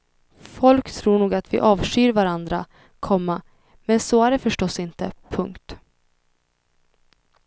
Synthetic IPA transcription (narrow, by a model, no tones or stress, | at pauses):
fɔlkt̪ʰɾuːɳuːɡat̪vɪ̰ʔɑːvʂyːɾvaɾand̪ɾa | kʰɔmːa | mɛnsoːæɖɛfœʂʈɔsːɪnt̪əpʰɵŋkt̪